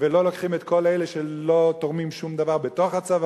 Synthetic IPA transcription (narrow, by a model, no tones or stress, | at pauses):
velo̞lokχimet̪kʰo̞lejleʃelo̞t̪oʁmimʃumd̪avaʁbet̪oχat͡sav